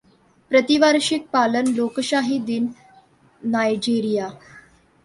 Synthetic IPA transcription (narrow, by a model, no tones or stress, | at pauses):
pɾət̪iʋaɾɕik̚palənlokɕaɦid̪inː | ajd͡ʑiɾija